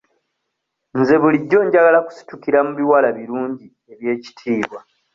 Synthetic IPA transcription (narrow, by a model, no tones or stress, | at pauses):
nze̞βuliɟːo̞ɲɟaɡalaku̥si̥tukiɾamuβiwalaβiɾuːɲɟi | e̞βje̞ːci̥tʰiːβwa